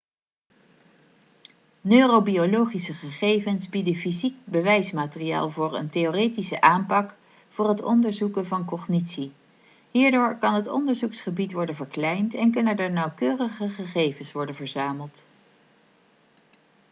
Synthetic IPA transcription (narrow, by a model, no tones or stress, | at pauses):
nøːrobiolowχisəχəχejvənzbidəfizik̚bəʋɛjsmaːtərija̰ːlˠvʊːɹə̰ntejoːrejtisəʔaːmpɑk | fʊːɹɦətɔ̰ndəɹzukənvɑnkɔχnitsi | ɦiːɹdʊːɹkɑnɦətɔ̰ndəɹzuksχəbitʋɔɹdənvəɹklɛjntɛnkɵnəndəɹnɑwkøːrəχəχəχejvənsʋɔɹdənvəɹzaːməlˠt